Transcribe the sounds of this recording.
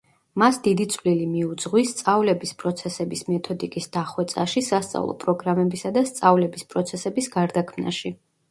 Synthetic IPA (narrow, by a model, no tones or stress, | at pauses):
masd̪id̪it̪sʰʼvlilimiud̪zʁwist̪sʼavlɛbispʼɾɔt̪sʰɛsɛbismɛt̪ʰɔd̪ikʼisd̪̥aχwɛt̪sʼaʃisast̪sʼa̰vlˠɔ̰pʼɾɔɡɾamɛbisad̪ast̪sʼavlɛbispʼɾɔt̪sʰɛsɛbisɡaɾd̪akʰmna̰ʃi